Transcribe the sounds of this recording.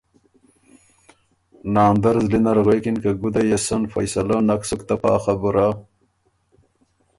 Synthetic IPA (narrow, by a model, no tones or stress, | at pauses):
naːnd̪ɐɾzlinɐɾɣejkinkaɡud̪ajesɐnfɐ̰jsɐlanɐksukt̪apa̰ːχabuɾa